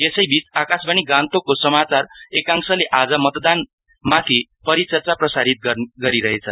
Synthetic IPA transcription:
esʌjbit͡sakasbʱʌñiɡãnt̪okosʌmat͡sarekaŋsʌleʔad͡zʌmʌt̪d̪an | mat̪ʰipʌɾit͡sʌrt͡saprʌsaɾit̪̚ɡʌɡʌɾiɾʌɦet͡sʰʌ

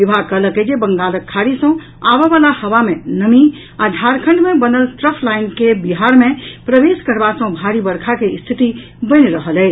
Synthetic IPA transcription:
ʋibʱakələked͡ʒebəŋɡaːləkʰːaɾisə̃ | aʋeʋalahəʋamẽnəmi | ad͡ʒʱaɾkʰə̃ɳɖmẽbənəlt̪ɾəpʰlaɪnkebiɦaɾmẽpɾəʋeskəɾbasə̃bʱaɾibəɾkʰakest̪ʰit̪i | bəniɾəɦəlɛ

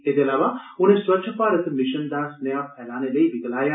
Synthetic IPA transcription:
eːd̪eəlaːʋaʊñ̤ẽswətːʃʰəpaːɾət̪mɪʃənd̪asnjapʰɛːlaːneləibɪɡ̪əlaːjaː

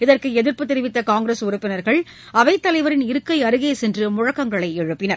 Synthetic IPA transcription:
ɪðɐrkɯɛðɪɾpɯt̪ːɪɾɪʋɪt̪ːɐkaːŋɡɾesʊɾʊpːɪnɐɾɣɐɭ | ɐʋɐɪt̪ːɐlɐɪʋɐɾɪnɪɾɯkːɐɪɐɾɯɣeːsɛndrɯmʊɻɐkːɐŋɡɐɭɐɪɛɻɯpːɪnɐɾ

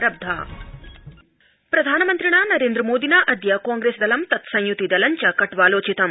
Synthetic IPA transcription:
ɾɐb̚d̪ʱa̰ː | pɾɐd̪ʱaːnɐmɐnt̪ɾiɳaːnɐɾeːnd̪ɾɐmoːd̪inaːʔɐd̪jaːkaːŋɡɾeːsd̪ɐlɐmt̪ɐt̪sɐ̃jjut̪id̪ɐlɐɲt͡ʃɐkɐʈʋaːloːt͡ʃit̪ɐm

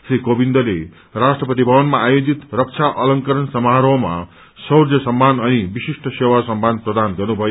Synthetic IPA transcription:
srikobind̪ʌle | rasʈrʌpʌt̪ibʱʌwʌnmaːjod͡zit̪rʌk̚t͡sʰaʔʌlʌŋkʌɾʌnsʌmaɾʌma̰ | sʌwrd͡zʌsʌmːanʌnibisiʂʈʌsewasʌmːanprʌd̪anɡʌrnubʱʌjo

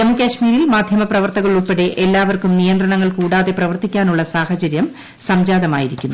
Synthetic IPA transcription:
ɐmːukʲaɕmiːɾilmaːd̪ʱjɐmɐprɐʋɐrt̪ɐɣɐɭuɭpːeɽe̞ʔelːaːʋɐrkumnijɐnd̪ɾrɐɳɐŋːɐɭkuːɽaːðe̞prɐʋɐrt̪ikʲːaːnuɭːɐsaːhɐt͡ɕɐɾjɐm | sɐmd͡ʑaːðɐma̰ːjiɾikʲːunːu

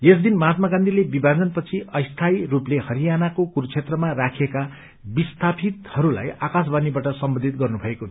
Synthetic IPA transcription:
jesd̪inmʌɦat̪maɡãnd̪ʱilebibʱad͡zʌnpʌt͡sʰiʌjst̪ʰajruplehʌɾijanakokurt͡sʰet̪rʌmarakʰeka | bist̪ʰapʰit̪hʌɾula̰jakas̬banibaʈʌsʌmbʌnd̪ʱit̪̚ɡʌrnubʱʌeko

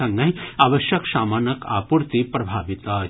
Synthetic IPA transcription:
ɐŋːɐɦiaːʋɐʃjɐksaːmaːnɐka̰ːpuɾt̪ipɾɐbʱaːʋit̪a

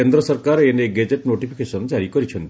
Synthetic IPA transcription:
end̪ɾɔsɔɾkaɾeneɡed͡ʒeʈnoʈipʰi̥kesɔnd͡ʒaɾikɔɾit͡ʃʰɔnt̪i

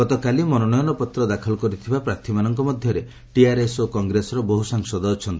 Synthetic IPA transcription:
ɡɔt̪ɔkalimɔnɔnɔjɔnɔpɔt̪ɾɔd̪akʰɔlɔkɔɾit̪ʰibapɾat̪ʰimanɔŋkɔmɔd̪ʱjɔɾe | ʈiaɾesokɔŋɡɾesɔɾɔbɔɦusaŋsɔd̪ɔːt͡ʃʰɔnt̪ii

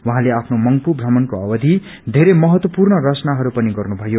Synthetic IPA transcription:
wuɦãleapʰnomʌŋpubʱrʌmʌnkoʌwʌd̪ʱi | d̪ʱeɾemʌɦʌt̪wʌpurnʌrʌt͡sʌnaɦʌɾupʌniɡʌrnubʱʌjo

